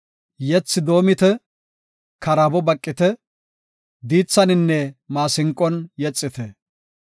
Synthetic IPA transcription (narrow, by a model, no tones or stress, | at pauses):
jɛt͡sːɪd̪o̞ːmɪt̪ɛ | kɐɾabɔbɐkʼːɪt̪ɛ | d̪iːt͡sːɐnɪnːɛmaːsɪŋkʼːɔnjɛt͡sʼːɪt̪ɛ